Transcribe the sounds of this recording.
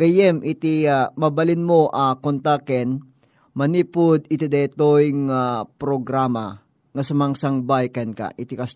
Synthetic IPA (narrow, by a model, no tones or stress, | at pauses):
ɡ̥ɐjɛmʔɪt̪iamɐbɐlɪnmoʔakont̪akɛn | mɐnipʊd̪̚ɪt̪id̪ɛt̪ojŋapɾoɡɾama | ŋɐsɐmɐŋsaŋbajkɐnka̰ʔɪt̪ikɐs